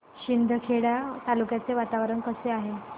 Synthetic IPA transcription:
ɕind̪ʱəkʰeɽjat̪alukjat͡seʋat̪aʋɾəɳkəseaɦe

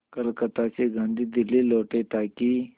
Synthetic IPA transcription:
kəlkət̪at͡seɡʱãnd̪ʱiːd̪ilːiloʈet̪aki

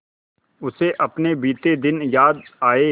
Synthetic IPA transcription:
ʊseʔɐpnebiːt̪ed̪ɪnjaːd̪aːe

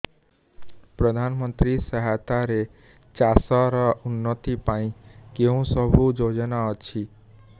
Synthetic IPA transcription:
pɾəd̪ʱanmənt̪ɾisəɦat̪aɾe | t͡ʃasaɾɔunːɔt̪ipaĩkeũsəbʱud͡ʒod͡ʒnaɔt͡ʃʰi

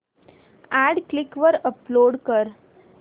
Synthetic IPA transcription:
æɖklikʋəɾəploɽkəɾ

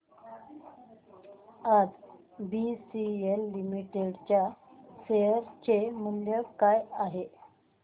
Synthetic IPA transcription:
ad͡z | bisielːimiʈeɽt͡ɕjaseəɾt͡ɕemunljəkajaɦe

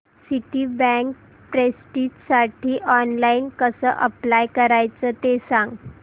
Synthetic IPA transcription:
siʈiːbɛ̃ŋk̚ | pɾesʈiːtsaʈʰiːʔɔnlainkəsəʔəplajkəɾajt͡səːt̪esãŋɡ

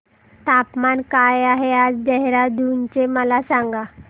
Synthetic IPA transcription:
t̪apmankajaɦead͡zd͡ʑɛɦɾad̪unt͡ɕeməlasaŋɡa

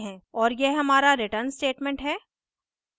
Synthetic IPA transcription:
ɦɛ̃ɔːɾjeɦɐmaːɾaɾɪʈəɾnsʈeːʈmɛ̃ɳʈɦɛː

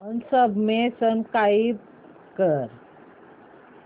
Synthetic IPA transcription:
ɦənsəbmesənkaib̚ | kəɾ

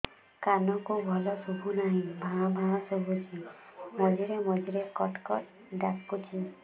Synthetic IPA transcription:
kanɔkubʱɔlɔsubʱunaɦĩbʱãbʱãsubʱut͡ʃʰinɔd͡ʒiɾemɔd͡ʒiɾekɔʈkɔʈ | ɖakːut͡ʃʰi

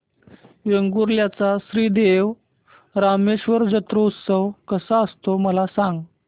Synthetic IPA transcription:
ʋeŋɡuɾljat͡sasɾiːd̪eʋ | ɾameɕʋəɾd͡ʑət̪ɾəut̪səʋkəsaəst̪oməlasãŋɡ

